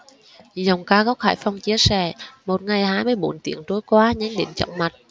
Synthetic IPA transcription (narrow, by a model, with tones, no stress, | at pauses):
zə˨˩wŋ͡mkaː˧˦ɣɔ˦˥k͡p̚haː˧˩jfɔ˧wŋ͡mt͡ɕi˧əsɛ̰˧˩mo˨˩t̚ŋa˨˩jhaː˧jmɨ˧əjɓo˧˩nt̪ḭ˧˩əŋt̪o˨˦jkwaː˧ɲa˨˦ŋ̟ɗḭ˧˨nt͡ɕɔ̰˧˨wŋ͡mma˨˩t̚